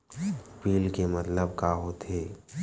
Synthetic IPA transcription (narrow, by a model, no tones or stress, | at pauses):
piːlkemət̪ləbkaːɦot̪ʰeː